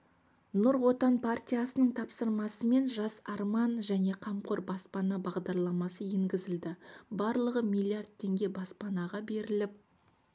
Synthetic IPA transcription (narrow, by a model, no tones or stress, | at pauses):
nʊɾwo̞t̪ɑnpʰart̪ʲijasənəɴt̪ʰɑpsəɾmɑsəme̞nʒɑsɑɾmɑnʒæne̞qʰɑmqoɾbɑspɑnɑbɑʁd̪ɑɾlˠɑmɑsəjeŋɡʲɪzɪld̪ɪbɑɾlˠəʁəmijlˠijard̪̚t̪ʰːe̞ŋɡʲe̞bɑspɑnɑʁɑbe̞ɾɪlɪp̚